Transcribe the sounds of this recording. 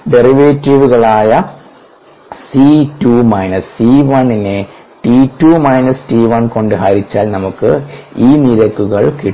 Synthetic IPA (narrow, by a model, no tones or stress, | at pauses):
ɖeriʋeːtːiʋuɣɐɭaːjɐ | situːmɐjnɐssiːʋɐɳine | ʈitːuːmɐjnɐsʈiːʋɐnko̞ɳɖɨɦaːɾit͡ɕːaːlnɐmukːɨiːniɾɐkːuɣɐɭki